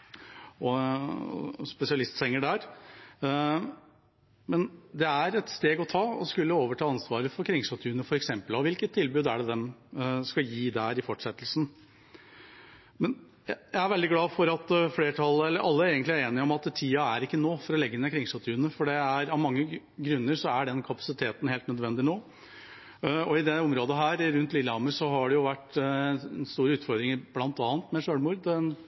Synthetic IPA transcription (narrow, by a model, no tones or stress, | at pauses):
ɔ̰ | spɛsɪɑlɪst̪sɛŋːəɖæːɾ | mɛnd̪ɛæɾɛt̪st̪eːɡɔt̪ʰɑːɔskʉlːəoːʋəʈʰɑːɑnsʋɑːɾəfɔɾkʰɾɪŋsɑt̪ʰʉːnəfɔɾɛksɛmpəlɑʋɪlkət̪ʰːɪlbʉːd̪æɖɛd̪ɛmskɑjiːd̪ɛæɾɪfɔʈːʂɛt̪ːlsn̩ | mɛn | jæjæɪæɾʋɛld̪ɪɡlɑːfɔɾɑt̪fleːʈʰɑlːəɛlːəɾʔɑlːəeːɡənt̪læɾeːnɪɔmɑt̪t̪ʰiːɑæɾɪkːənoːfɔɾɔlɛɡːənɛkʰɾɪŋsɑt̪ʰʉːnəfɔɖɛæɾɑʋmɑŋːə | ɡɾʉnːəɾʂɔæɖɛnkʰɑpɑ̥sɪt̪ʰeːt̪n̩heːlt̪nœd̪ʋɛnd̪ɪnoː | ɔɪd̪ɛɔmɾoːd̪əɦæːɾɾʉnt̪lɪlːəɑməsɔɦɑɖɛjʊʋæʈ̪ː | nst̪uːɾəʉːt̪fɔɾd̪ɾɪŋəɾblɑnt̪ɑːnt̪mɛʂøːɽmʊːɾd̪ɛn